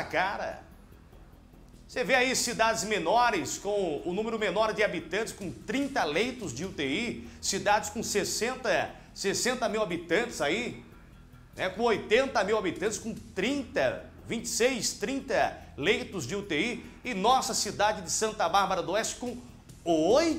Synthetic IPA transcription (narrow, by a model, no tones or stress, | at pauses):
kaɾɐ̰ | seveaisid̪ad͡ʒɪzmẽnɔɾɪskõw̃ʊnũmeɾʊmenɔɾd͡ʒɪabit̪ɐ̃t͡ʃɪskõt̪ɾĩnt̪ɐlejt̪ʊzd͡ʒɪʊt̪eisid̪ad͡ʒɪskõsesẽnt̪ɐ | sesẽnt̪ɐmiwabit̪ɐ̃nt͡ʃɪ̥zai | nɛkõojt̪ẽnt̪ɐmiwabit̪ɐ̃t͡ʃɪ̥skõt̪ɾĩnt̪ɐ | vĩt͡ʃɪ̥sejst̪ɾĩnt̪ɐlejt̪ʊzd͡ʒɪʊt̪eiɪnɔsɐsid̪ad͡ʒɪd͡ʒɪsɐ̃nt̪ɐbaɾbɐɾɐd̪oɛst͡ʃɪ̥kõ | oj